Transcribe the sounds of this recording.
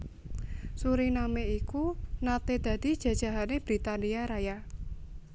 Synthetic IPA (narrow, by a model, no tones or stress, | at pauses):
suɾinameikunat̪ed̪̥ä̤d̪̥i̤d̥ʒ̥ä̤d̥ʒ̥a̤ɦaneb̥ɾit̪aniaɾaja